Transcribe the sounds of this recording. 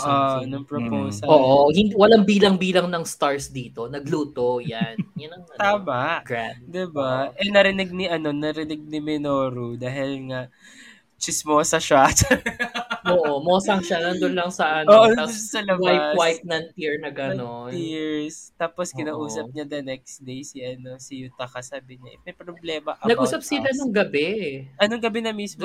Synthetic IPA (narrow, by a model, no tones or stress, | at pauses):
ʔonɐŋpɹopoːsɐoːʔohɪnd̪iwɐlaŋbiːlɐŋbiːlɐŋnɐŋst̪aɹsd̪iːt̪o̞nɐɡluːt̪ojanjanɐŋmat̪aːmɐʔɡad̪ɪbaʔɛnɐɾɪnɪɡ̚nɪʔɐno̞nɐɾɪnɪɡ̚nɪmɪnoːɾud̪aːɦɪlŋaʔ | t͡ʃɪsmosɐʃat͡ʃɐ | oʔomoːsɐŋʃanɐnd̪onlɐŋsɐʔɐnoːʔod̪osɐlɐbajawajp̚nɐnt̪iɹnɐɡɐnoniɹst̪aːposkɪnaːʔuːsɐp̚ɲad̪ɐnɛk̚sd̪ejsiʔɐno̞sɪjut̪ɐkɐsaːbɪɲɐʔɪmɛjpɾoblɛːmɐʔɐnɐɡuːsɐp̚sɪlanɐŋɡɐbɛʔɐnoŋɡɐbɛnɐmismo